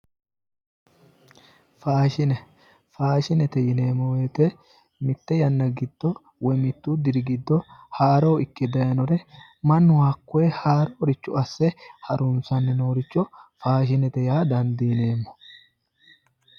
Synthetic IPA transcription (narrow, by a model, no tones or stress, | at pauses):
faːʃɪnɛ | faːʃɪnɛt̪ɛjɪne̞ːmːɔweːt̪ɛ | mɪt̪ːɛjɐnːɐɡɪd̪̥ːɔ | wɛmɪt̪ːud̪ɪɾɪɡɪd̪ːɔhaːɾoːɪkːɪd̪ɐjɐnɔɾɛ | mɐnːʊwaːkːɔɛhaːɾoːɾɪt͡ʃːʊɐsːɛhɐɾʊnsɐnːɛno̞ːɾɪt͡ʃːɔfaːʃ̬ɪnɛt̪ɛjaːd̪ɐnd̪ijneːmːɔ̥